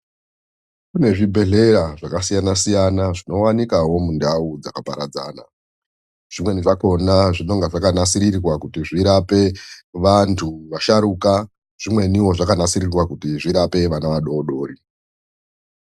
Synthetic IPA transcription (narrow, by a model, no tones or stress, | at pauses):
kune̞ʐibʱe̞ɮe̞ɾaʐakasijanasijanaʐino̞wanikawo̞mundaud͡zakapaɾad͡za̰ːna̰ | ʐ̥imweniʐako̞naʐino̞ŋɡaʐakanasiɾirrwakutiʐiɾape̞ʋantʰuʋaʃaɾuka | ʐ̥imwe̞niwo̞ʐakanasirirwakutiʐiɾape̞ʋanaʋaɗo̞ɗo̞ːɾi